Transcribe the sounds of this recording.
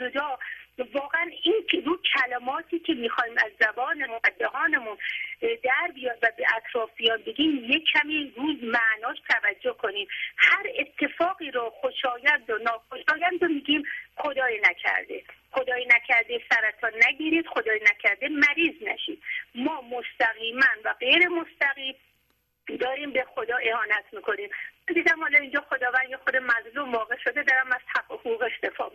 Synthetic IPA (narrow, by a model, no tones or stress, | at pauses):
od̪ɒːvɒːɣeæniːnɾuːkʰælemɒːt̪ʰiːkʲʰe̞miːxɒːhiːmæzːæbɒːnemunæd̪æɦɒːnemund̪æɾbijɒːnvæbeʔæt̪ʰɾɒːfbijɒːnbeɡiːmjekʰæmiːruːzmæʔnɒːʃt̪ʰævæd͡ʒːohkʰo̞niːmhæɾet̪ʰːe̞fɒːɣiːɾɔxoʃɒːjænd̪onɒːxo̞ʃɒːjænd̪omiːɡiːmxo̞d̪ɒːjinæcʰæ̰ɾd̪e̞̰xod̪ɒːjinæcʰæɾd̪esæɾæt̪ʰɒːnæɡiːɾiːd̪̥xod̪ɒːjinæcʰæɾd̪emæɾiːznæ̰ʃiːd̪̥mɒːmost̪æɣiːmænvæɢejɾe̞most̪æɣiːm | d̪ɒːɾiːmbe̞xod̪ɒːʔe̞hɒːnæt̪ʰmiːkʰo̞niːmmænd̪iːd̪æmhɒːlɒːind͡ʒɒːxod̪ɒːvænd̪jexod̪emæzluːmvɒːɣe̞ʃod̪ed̪ɒɾæmæz̥ʰæohuuːɣeʃt̪e̞fɒ̰ː